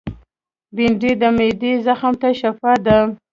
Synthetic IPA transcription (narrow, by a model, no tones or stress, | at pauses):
biɳɖed̪əmed̪ezaxamt̪aʃafɑd̪a